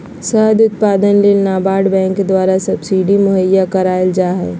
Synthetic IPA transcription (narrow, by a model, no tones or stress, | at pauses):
səɦəd̪ʊt̪̚paːd̪ənleːlnaːbaːɖbɛ̃ːŋkːed̪waːɾasɐbsiːɖimʊɦəjakəɾaːeld͡ʒaːɦɛ̰ː